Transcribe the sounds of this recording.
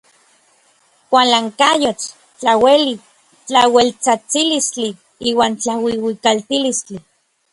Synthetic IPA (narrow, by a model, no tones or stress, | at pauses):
kʷalaŋkajot͡ʃ | t͡ɬaweli | t͡ɬawelt͡sat͡silist͡ɬi | iːwaːnt͡ɬawiwikalt̪ilist͡ɬi